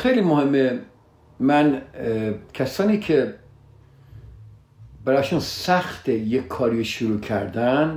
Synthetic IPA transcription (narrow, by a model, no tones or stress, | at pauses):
xejliːmohemːe | mæn | kʰæsɒːniːkʰe | bæɾɒːʃunsæxt̪ejekʰːɒːɾiːʃuɾuːkʰæɾd̪æn